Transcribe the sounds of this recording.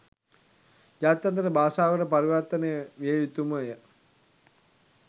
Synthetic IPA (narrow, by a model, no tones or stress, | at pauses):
d͡ʒaːt̪jant̪əɾəbaːsaːʋəɾəpaɾiʋaɾt̪ənejəʋieʋit̪uməjə